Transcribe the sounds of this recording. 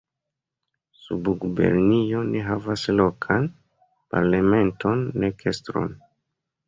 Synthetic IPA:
subuɡube̞̰ɾnio̞neɦavaslo̞kʰan | pa̰ɾlame̞nto̞nːekʰestɾo̞̰n

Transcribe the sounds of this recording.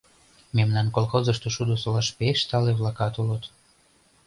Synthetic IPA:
memnɑnkolxozəʃt̪oʃud̪osolɑʃpeʃt̪ɑleβlɑkɑt̪ulət̪

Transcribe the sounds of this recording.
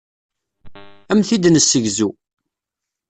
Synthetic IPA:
æmθid̪nəsːəʝzu

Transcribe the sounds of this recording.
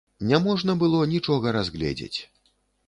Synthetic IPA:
nʲamɔʐnɐbɨlˠɔnʲit͡ʂɔɣɐɾazɣlʲɛ̰d͡zʲḛt͡sʲ

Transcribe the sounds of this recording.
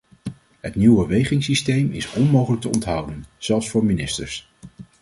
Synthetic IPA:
ɦətniwbəʋejχɪŋsistejmɪ̰sɔnmowχələk̚təɔntɦɑwdənz̥ɛlˠfsfʊːɹminɪstə̰ɹs

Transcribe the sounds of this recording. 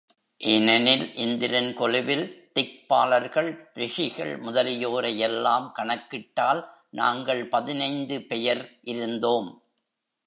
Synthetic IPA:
ʔenɛnɪlʔɪnd̪ɪɾɐnkɔlɪʋɪlt̪ɪk̚pa̰ːlɐɾɣɐɭɾɪʂɪɣɐ̰ɭmʊðɐlɪjoːɾɐjɛlːaːmkɐɳɐkːɪʈːaːl | na̰ːŋɡɐɭpɐðɪnɐɪnd̪ɯpɛjɐɾʔɪɾɯnd̪oːm

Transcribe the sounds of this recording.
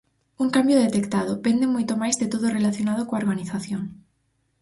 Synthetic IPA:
uŋkambjoðet̪ekt̪að̞opend̪emojt̪omajzðet̪oðorelaθjonað̞okoaoɾɣaniθaθjoŋ

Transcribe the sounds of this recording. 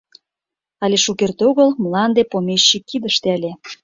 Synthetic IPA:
ɑlʲeʃukert̪oɣəlməlɑnd̪epomeɕːikːid̪əʃt̪eælʲe

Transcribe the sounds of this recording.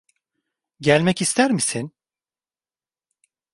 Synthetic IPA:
ɟælʲmɛcist̪ʰæɾmisin

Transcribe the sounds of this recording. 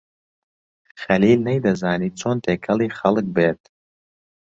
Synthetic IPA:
xɐliːlnejd̪ɐzaːniːt͡sʰoːnt̪ʰeːkʰɐliːxɐlˠɨk̚beːt̪̚

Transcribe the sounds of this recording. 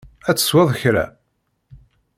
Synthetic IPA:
æt͡sːə̥swæðˤçɾæ̰

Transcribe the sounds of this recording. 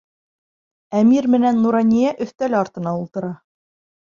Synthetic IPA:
æmiɾmɘ̆nænːuɾɑnʲijæʔɵ̆θt̪ælɘɑɾt̪ɤ̆nɑulˠt̪ɤ̆ɾɑ

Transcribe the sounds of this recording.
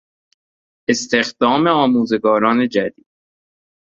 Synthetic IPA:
est̪e̞xd̪̥ɒːme̞ɒːmuːze̞ɡɒːɾɒːne̞d͡ʒæd̪iːd̪̥̚

